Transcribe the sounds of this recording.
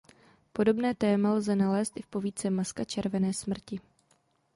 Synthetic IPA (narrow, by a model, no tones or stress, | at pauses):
po̞do̞bnɛːt̪ɛːmalzɛnalɛːst̪ɪfpo̞viːt͡sɛmaskat͡ʃɛɾvɛnɛːsmr̩cɪ